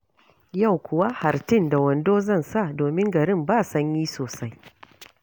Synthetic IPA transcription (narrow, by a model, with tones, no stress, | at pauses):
ja˦˨wkʷʊ˨wa˦ha˨ɾtɪ˦˨nda˨wɐ˨ndoː˦zɐ˦nsa˦˨doː˨mɪ˦ŋɡɐ˨ɾɪ˦˨mbaː˦˨sɐ˦ɲjiː˦soː˨sa˦j